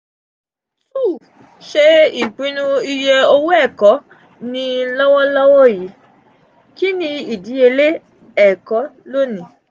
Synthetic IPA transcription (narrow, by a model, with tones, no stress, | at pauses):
u˦˨ | ʃe˧i˨k͡pĩ˨˦nũ˧i˧jɛ˧o˧wo˦ɛ˦˨kɔ˨˦ | nĩ˧lɔ˦wɔ˦lɔ˦wɔ˦˨ji˨˦ | ki˦nĩ˦˧i˨di˨˦e˧le˦ | ɛ˦˨kɔ˨˦lo˦nĩ˨